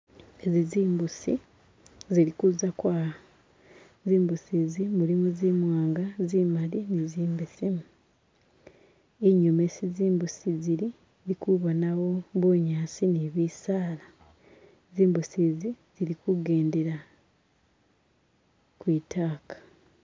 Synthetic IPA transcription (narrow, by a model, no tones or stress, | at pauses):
eziziːmbusḭ | ziɾikuzakwaːa | ziːmbusizimulimuzimwaːŋɡazimaliniziːmbesimu | eɲome̞siziːmbusiziɾi | likuβanawo̞βoɲaːsineβiːsaːla | ziːmbusiːzi | z̥iɾikuɡe̞ːndeɾa | kwiːtʰaːkḁ